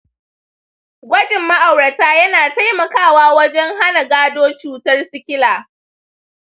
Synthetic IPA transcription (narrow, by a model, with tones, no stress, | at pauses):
ɡʷɐ˦d͡ʒɪ˨mːa˦ʔa˨wɾɐ˨taː˦jɐ˦naː˨ta˦jmɐ˨kaː˦˨waː˦wɐ˦d͡ʒɛ˦ŋɦa˦na˨ɡaː˦doː˦t͡ʃuː˨tɐ˦rsɪ˦kʲɪ˦laː˨